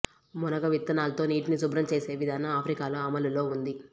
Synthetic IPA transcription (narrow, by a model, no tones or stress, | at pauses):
mɔnɐɡɐʋit̪ːɐnaːlɐt̪o̞ːniːʈinisubɾɐmt͡ʃe̞ːse̞ːʋid̪ʱaːnɐaːpʰɾikaːloɐmɐlulo̞ːund̪i